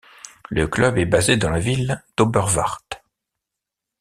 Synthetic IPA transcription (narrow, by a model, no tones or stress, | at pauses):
ləklœbɛbazed̪ɑ̃lavild̪̥obœʁva̰ʁt̪